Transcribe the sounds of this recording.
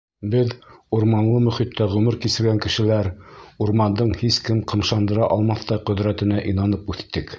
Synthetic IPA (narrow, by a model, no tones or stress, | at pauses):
bɘðuɾmɑnlˠɤmɵ̆χit̪ʰːæʁʉmɘɾkisɘ̆ɾɡæŋkɘ̆ʃɘ̆læɾuɾmɑnd̪ɤɴhiskɘmqɤ̆mʃɑnd̪ɤ̆ɾɑʔɑlˠmɑθt̪ɑjqɵ̆ðɾæt̪ɘ̆næʔinɑnɤpʉθt̪ːɘk